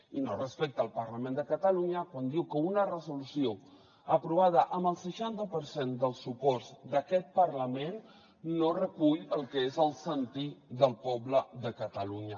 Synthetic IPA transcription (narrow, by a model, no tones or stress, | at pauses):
inorəspek̚t̪əːlˠpəɾləmẽnd̪əkət̪əluɲəkwand̪iwkəunərəzulusio | əpɾuβ̞að̞əʔəmbəlˠsəʃant̪əpəɾsend̪əlˠsːupɔrzd̪əkɛt̪̚pəɾləmenː | orəkuʎəlˠkəezəlˠsənt̪iðəlˠpɔbləðəkət̪əluɲə